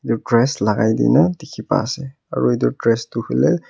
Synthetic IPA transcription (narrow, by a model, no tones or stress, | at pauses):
iduɹdɹɛslaɡajdḭjnadikʰipa̰ːsɛ | a̰ɹuiduɹdɹɛstuhilɛ